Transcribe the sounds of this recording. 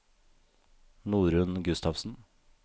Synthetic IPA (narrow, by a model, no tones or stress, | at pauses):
nuːɾʉnɡʉst̪ɑʋsn̩